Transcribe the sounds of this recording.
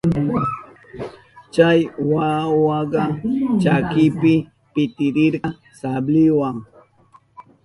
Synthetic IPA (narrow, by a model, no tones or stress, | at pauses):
t͡ʃajwawɑɢɑt͡ʃakɪpɪ | pɪt̪ɪɾɪɾɢɑ | sablɪwaŋ